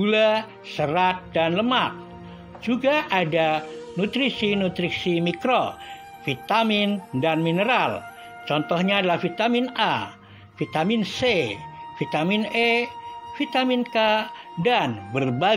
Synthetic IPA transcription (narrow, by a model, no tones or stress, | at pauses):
ula | səɾat̪̚danləmat̪̚ | d͡ʒuɡaʔadanut̪ɾisinut̪ɾiksimikɾo | fit̪amɪndanminəɾal | t͡ʃɔnt̪ɔhɲaːdalahfit̪amɪnʔa | fit̪aminsefit̪aminefit̪aminkadanbərba